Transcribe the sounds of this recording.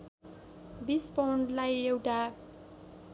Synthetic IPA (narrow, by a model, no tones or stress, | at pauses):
bispawɳɖlajewʈa